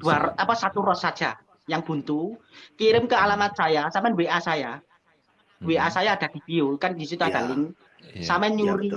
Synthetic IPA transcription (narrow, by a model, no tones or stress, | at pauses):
d̥uaɾɔapasat̪urɔsad̥ʒ̥a | jaŋb̥ṳnt̪ukiɾɪmkəalamat̪̚sajasamɛnweʔasaja | weʔasajaːd̥a̤d̪̥i̤b̥iukandisit̪uad̥a̤lɪŋ | samɛɲuɾi